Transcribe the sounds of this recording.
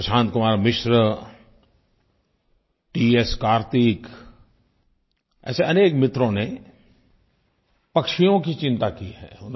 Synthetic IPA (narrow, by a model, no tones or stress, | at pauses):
əʃãːnt̪̚kʊmaːɾmɪʃɾə | ʈiːeskaːɾt̪ik | ɛ̰ːseɐneːkmɪt̪ɾõne | pɐkʃijõkit͡ʃɪ̃nt̪akiɦɛ̰ːʊn